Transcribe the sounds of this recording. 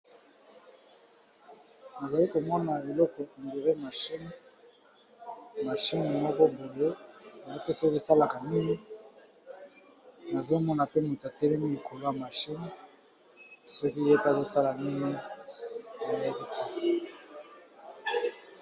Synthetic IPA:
na˨za˨li˦ko˨mɔ˦na˨e˨lɔ˦kɔ˨n˨de˨ʁe˦ma˨ʃi˦n | ma˨ʃi˦ne˨mɔ˦kɔ˦bo˨ne˦a˨za˦te˦so˦ki˦sa˦la˨ka˨ni˦ŋi˦ | na˨zo˦mɔ˦na˨pe˦mu˨ta˨tɛ˦lɛ˦mi˦i˨kʰo˨lo˦a˨ma˨ʃi˦n | so˦ki˦je˦pa˨zo˦sa˦la˨ni˦ŋi˦ | a˨le˦bi˦te̥˨

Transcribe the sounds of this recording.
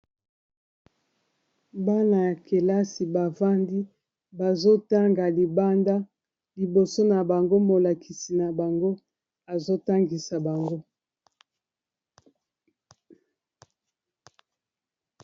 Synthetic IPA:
ba˦na˨ja˨ke˨la˦si˨ba˨va˦ndi˦ | ba˨zo˦ta˦ŋɡa˨li˨ba˦nda˦ | li˨bo˨so˦na˨ba˨ŋɡo˦mo˨la˨kʰi˨si˨na˨ba˨ŋɡo˦ | a˨zo˦ta˦ŋɡi˨sa˨ba˨ŋɡo˦

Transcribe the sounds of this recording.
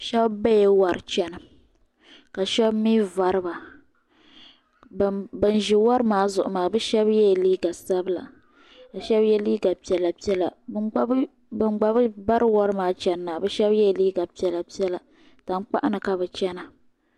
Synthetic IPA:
ʃɛ˦bba˦jɛ˨wa˨ɾɨ˨t͡ʃɛ˦nɨ˨ | ka˨ʃɛ˦bmiː˦va˨ɾɨ˦ba˨ | bɨ˨n˨ʒɪ˨wɔ˦ɾɨ˦maː˦zʊ˨ʔʊ˨maː˨bɨ˦ʃɛ˦bjɛ˦˨liː˦ɡa˨sa˦bɨ˦la̰˨ | a˨ʃɛ˦bjɛ˦liː˦ɡa˨pi˨˦ɛ˨la˨pi˦ɛ˦la̰˨˦ | bɨ˨nɡ͡ba˨bɨ˦ba˦ɾɨ˦wɔ˦ɾɨ˦maː˨˦t͡ʃɛ˦nː˦a˨bɛ˦ʃɛ˦bjɛ˦˨liː˦ɡa˨pi˦ɛ˦la˨pi˦ɛ˦la˨ | ta˨n˦k͡pa̰˦ʔa˦nɨ˨ka˨bɛ˨t͡ʃɛ˦na˨

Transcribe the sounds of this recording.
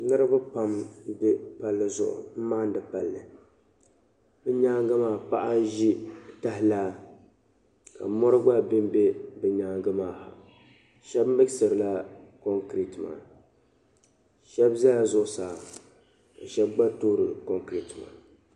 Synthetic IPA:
nɨ˦ɾɨ˦ba˦pa˨m˦dɨ˦pa˨lːɨ˨zʊ̰˨ʔʊ̰˨m̩˦maː˦n˦dɨ˨pa˨lːɨ˨ | bɨ˦ɲaː˦ŋ˦ɡɨ˦maː˦˨pa˦ʔa˦n˦ʒi˦ta˦ɦɪ˦laː˦ | ka̰˨mɔ˦ɾɨ˦ɡ͡ba˦bɪ˦m˦be˦bɨ˨ɲaː˦ŋ˦ɡɨ˦maː˨ha̰˨ | ʃɛ˦bm˦bɨ˦ksɨ˨ɾɨ˨la˦ko˦ŋkɾi˨tɨ˨ma̰ː˨ | ʃɛ˦bza˦a˨zʊ˦ʔʊ˨saː˨ | ka˨ʃɛ˦b̚ɡ͡ba˦toː˦ɾɨ˨ko˦ŋkɾi˨tɨ˨ma̰ː˨

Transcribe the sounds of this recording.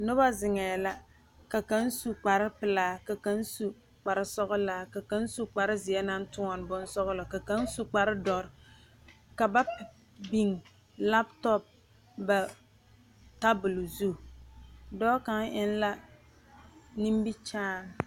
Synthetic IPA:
nʊ˦ba˦zɪ˨ŋɛː˨la˦ | ka˨ka˦n˦su˦k͡pa˨ɾɪ˦pɨ˨laː˦ka˨ka˦n˦su˦ | k͡pa˨ɾɪ˦sɔ˦ɣʊ˦laː˦ka˨ka˨˦n˦su˦k͡pa˨ɾɪ˦zɪ˨jɛ˦na˦n˦tʊ˦ŋɔ˨n˨bʊ˦n˦sɔ˦ɣʊ˦la˨ka˨ka˦n˦su˦k͡pa˨ɾɪ˦dɔ˨ɾɪ˨ | ka˨ba˦ | bi˦ŋ | la˦btɔ˦p̚ | ba˨ | ta˦bʊ˨lʊ˨zu˦˨ | dɔː˦ka˦ŋɪ˦n˦la˦ | ni˦m˦bi˦t͡ʃaː˦n˨

